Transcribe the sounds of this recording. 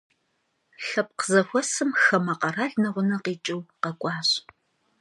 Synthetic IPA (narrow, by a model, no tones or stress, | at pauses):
ɬɐp̚qəzɐxʷɔsɨmxɐmɐqɐraːɮnɐʁʷʊnɐqiːt͡ʃʼɪwqɐkʷʼɑːɕ